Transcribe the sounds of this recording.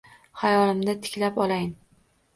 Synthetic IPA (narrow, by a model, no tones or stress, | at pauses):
hajɒlɪmd̪at̪ʰɪ̥kʲlapɒlˠajn